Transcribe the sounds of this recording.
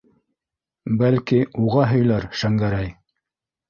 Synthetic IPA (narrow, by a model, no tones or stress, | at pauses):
bælkiuʁɑɦɵ̆jlæɾʃæŋɡæɾæj